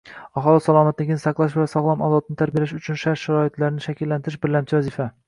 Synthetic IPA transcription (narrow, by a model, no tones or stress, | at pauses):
ɒχɒlˠɑsɑlˠɒːmat̪̚d̪ɪɡʲɪnɪsaqlˠaʃ̬blasɒʁlˠɑmɒd̪ɒt̪ɪnɪt̪ʰaɾbijlaʃʊt͡ʃʰʊnʃaɾʃaɾɒɪt̪ʰlaɾɪnɪʃækʲʰilːant̪ɪɾɪʃbɪɾlamt͡ʃʰɪvæzifa